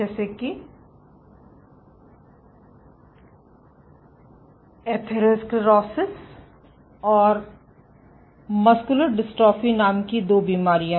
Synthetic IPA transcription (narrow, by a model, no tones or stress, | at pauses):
ɛːseki | eːt̪ʰeɾeskɾɔːsɪs | ɔːɾ | mɐskʊləɾɖɪsʈɔːfinaːmkid̪oːbiːmaːɾijã